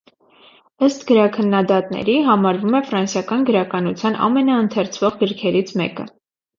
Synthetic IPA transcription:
əst̪ɡ̥əɾɑkʰənːɑd̪ɑt̪nɛ̰ɾiɦɑmɑɾvumɛfɾɑnsjɑkɑnɡəɾɑkɑnut͡sʰjɑnɑ̰mɛnɑənt̪ʰɛrt͡sʰv̥ɔʁɡəɾkʰɛɾit͡sʰmɛ̰kə̰

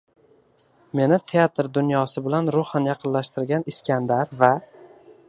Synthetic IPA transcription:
me̞nɪt̪ʰeat̪ɾd̪ʊnjɒsɪbɪlanɾʊχanjɑqʰɨnlaʃt̪ɪɾɡʲanɪskʲand̪aɾva

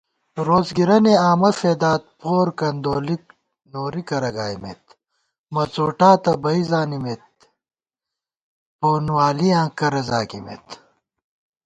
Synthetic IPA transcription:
ɾoːzɡiɾɐneaːmɐfeːd̪aːt̪̚pʰoːɾkɐnd̪oːlik̚ | noːɾikɐɾɐɡaːjmḛt̪ | mɐt͡soːʈaːt̪ɐbɐizaːnimet̪̚ | poːnwaːliãːkɐɾɐzaːkimḛt̪

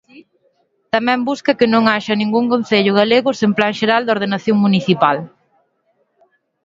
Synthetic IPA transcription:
t̪amɛ̃mbuskɐkɪnõŋaʃɐnĩŋɡuŋkõn̟θeʎʊɣaleɣʊsemplaŋʃeɾald̪oɾð̞enaθjoŋmuniθipal

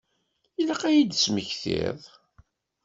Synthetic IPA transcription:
ilaqæjid̪sməçθɪ̰ðˤ

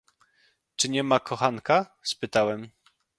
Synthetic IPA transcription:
t͡ʂɘɲɛmakʰɔxaŋka | spɘt̪awɛm

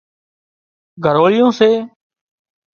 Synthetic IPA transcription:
ɡʱəɾoːlɪjõːseː

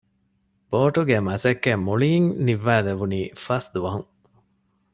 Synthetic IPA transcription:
b̥oːʈuɡemɐsɐkːemoɭiŋniʋːæːleʋuniːfɐsd̪uʋɐɦuŋ

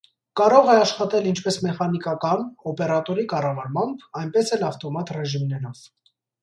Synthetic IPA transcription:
kɑɾɔʁɛɑʃχɑt̪ɛlint͡ʃʰpɛsmɛχɑnikɑkɑnɔpɛɾɑt̪ɔɾikɑrɑvɑɾmɑmbɑjnpɛsɛlɑft̪ɔmɑt̪rɛʒimnɛnɑv

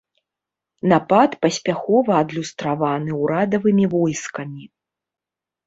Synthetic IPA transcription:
napat̪pɐsʲpʲaxɔvɐːd̪lʲust̪ɾavanɨwɾad̪ɐvɨmʲivɔjskɐmʲi

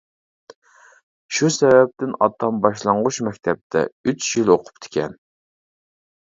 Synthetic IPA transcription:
ʃusɛvɛp̚t̪ɪnɑt̪ʰːɑmbɑʃlˠɑɴʁʊʃmɛkʲt̪ʰɛp̚t̪ʰɛ̰yt͡ʃjiloqʰʊ̥pt̪ʰɪ̥kʲʰɛn

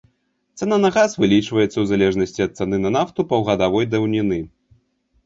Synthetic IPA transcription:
t̪sɛnanɐɣasvɨlʲit͡ʂvɐjɛt̪sːɐwzalʲɛʐnɐsʲt͡sʲiɐt̪̚t̪sɛnɨnɐnaft̪upɐwɣɐd̪avɔjd̪ɐwnʲinɨ

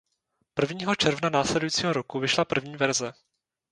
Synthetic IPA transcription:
pr̩vɲiːɦo̞t͡ʃɛɾvnanaːslɛdujiːt͡siːɦoɾokuvɪʃlapr̩vɲiːvɛɾzɛ

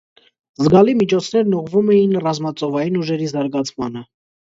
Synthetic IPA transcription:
zɡɑlimit͡ʃʰɔt͡sʰnɛɾnuʁvumɛjinrɑzmɑt͡sʼɔvɑjinuʒɛɾizɑɾɡɑt͡sʰmɑnə

